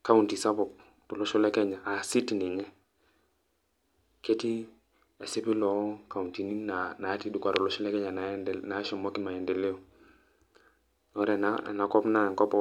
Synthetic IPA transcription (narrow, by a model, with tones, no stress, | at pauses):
ka˦u˨nti˨sa˦bɔ˨k̚ | tɔ˨lɔ˦ʃɔ˦lɛ˦kɛ˦ɲa˨ʔa˨si˦ti˨ni˨ŋɛ˦ | ke˦ti˦ | e˨si˦pi˦lɔ˨˦ka˨u˨nti˨ni˦na˨na˨˦ti˦du˦kʷa˨tɔ˨lɔ˦ʃɔ˦lɛ˦kɛ˦ɲa˨na˨na˨˦ʃɛ˨mɔ˦ki˦ma˨jɛ˨ndɛ˨li˦ɔ˨ | nɔ˦ɾɛ˨na̰˨na˨kɔ˦pna˦˨ŋkɔ˦pɔ˦